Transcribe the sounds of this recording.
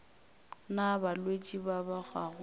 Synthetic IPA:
nabalwet͡ʃʼibabak͡xʰaːɣʊ

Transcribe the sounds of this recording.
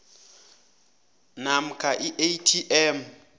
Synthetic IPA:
nam̩kʼaʔiʔejtʰiʔɛm

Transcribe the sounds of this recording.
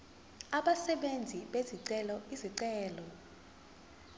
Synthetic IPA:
aɓasɛɓend͡zʱiɓeziǀɛlɔiziǀɛːlɔ

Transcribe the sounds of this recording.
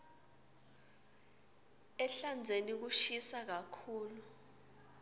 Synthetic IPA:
ɛɬand͡zʱenik̬uʃisak̬akʰuːlu

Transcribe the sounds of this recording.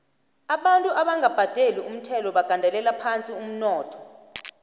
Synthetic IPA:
aɓantʼuʔaɓaŋɡʱab̥ʱad̥ʱelium̩tʰɛlɔɓaɡ̥ʱandʱɛlɛlapʰant͡sʼium̩nɔːtʰɔ̥

